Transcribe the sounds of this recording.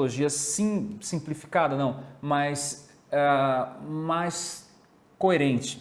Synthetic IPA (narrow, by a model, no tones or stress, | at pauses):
loʒiɐsĩsĩplifi̥kad̪ɐnɐ̃w̃mɐjs | ɛ | majs | koeɾẽnt͡ʃɪ̥